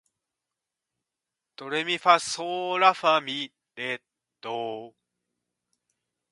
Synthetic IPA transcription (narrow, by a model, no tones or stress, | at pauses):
t̪oɾemifasoɾafami | de | d̪o